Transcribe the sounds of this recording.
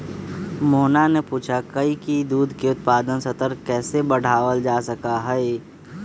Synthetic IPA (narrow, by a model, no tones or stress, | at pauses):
moːnanepuːt͡ʃʰakɐikid̪uːd̪ʱkeʊt̪̚paːd̪ənsɐt̪əɾkɛːsebɐɽ̤ʱaːʋəld͡ʒaːsɐkaɦɛe